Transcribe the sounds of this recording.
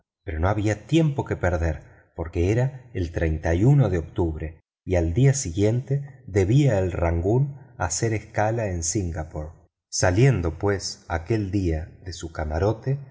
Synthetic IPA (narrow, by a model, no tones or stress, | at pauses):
peɾo̞no̞aβiat̪je̞mpo̞ke̞peɾðeɾ | po̞ɾke̞eɾaelt̪ɾejnt̪ajuno̞ðeo̞k̚t̪uβɾe̞ | iald̪iasiɣje̞nt̪e̞ðe̞βiaelraŋɡuna̰se̞ɾeskalaensiŋɡapoɾ | salje̞nd̪o̞pwe̞sake̞ld̪iaðesukamaɾo̞t̪e